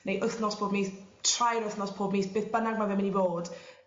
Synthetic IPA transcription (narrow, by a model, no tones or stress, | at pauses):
nejʔʊθnɔspʰoːbmiːθtʰrajɾəθnɔspʰoːbmiːθb̥eːθb̥ənaɡmavɪmɪnivoːd̥